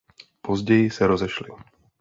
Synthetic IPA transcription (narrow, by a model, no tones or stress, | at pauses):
po̞zɟɛjɪsɛɾo̞zɛʃlɪ